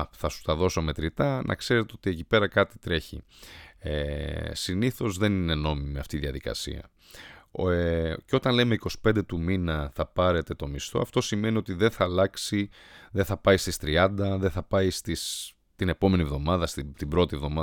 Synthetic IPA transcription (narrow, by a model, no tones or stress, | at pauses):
θɐsu̥t̪ɐðo̞so̞me̞t̪ɾit̪ɐnʔɐ̰kse̞ɾet̪eo̞t̪ie̞cipe̞ɾɐkɐt̪i̥t̪ɾe̞çḭesiniθo̞zðe̞nine̞no̞mimiɐft̪iːðiɐðikɐ̰sḭɐ̰ | ceo̞t̪ɐnle̞meiko̞si̥pend̪e̞t̪uminɐθɐpɐɾe̞t̪e̞t̪o̞mist̪o̞̰ɐft̪o̞sime̞nio̞t̪iðe̞nθɐːlɐksi | ðeθɐpɐist̪ist̪ɾiɐnd̪ɐðeθɐpɐist̪is | t̪ine̞po̞me̞nivðo̞mɐðɐst̪it̪ibɾo̞t̪ievðo̞mɐ